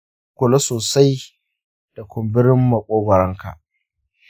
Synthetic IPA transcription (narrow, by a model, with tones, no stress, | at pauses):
kʷʊ˨lo˦soː˨sa˦j | d̥a˨kʷʊ˨mbɪ˦ɾɪ˦mːɐ˨kʷʼoː˦ɡʷɔ˨ɾɐ˦ŋka̰˨ʔ